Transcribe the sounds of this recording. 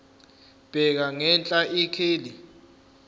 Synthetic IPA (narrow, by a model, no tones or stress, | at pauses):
b̥ʱɛk̬aŋɛnt͡ɬʼaʔikʰeːli